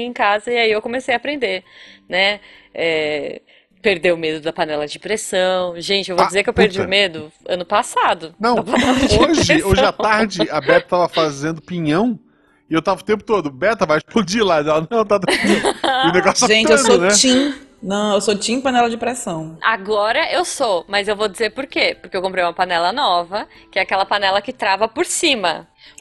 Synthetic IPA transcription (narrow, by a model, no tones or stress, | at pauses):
ẽkazɐiaiewkõmesejɐːpɾẽnd̪enɛɛ | peɾd̪ewʊmed̪ʊd̪ɐpɐnɛlɐd͡ʒɪpɾesɐ̃w̃ʒẽnt͡ʃɪewvod͡ʒɪzeɾkɪewpeɾd͡ʒiʊmed̪ʊɐ̃nʊpasad̪ʊnɐ̃w̃aaoʒɪoʒɪat̪aɾd͡ʒɪɐbɛt̪ɐt̪avɐfazẽnd̪ʊpĩɲɐ̃w̃ | ɪewt̪avɐʊt̪ẽp̬ʊ̥t̪od̪ʊbɛt̪ɐvajt͡ʃfʊd͡ʒilad̪ɛlɐnɐ̃w̃t̪at̪iʊneɡɔsaʒẽnt͡ʃɪewedonɛt͡ʃĩnɐ̃w̃ewsot͡ʃĩpɐnɛlɐd͡ʒɪpɾɛsɐ̃w̃a̰ɡɔɾɐʔewsomɐzewvod͡ʒɪzeɾpʊɾkepʊɾkewkõpɾejũmɐpɐnɛlɐnɔvɐkɪɛakɛlɐpɐnɛlɐkɪt̪ɾavɐpoɾsĩmɐ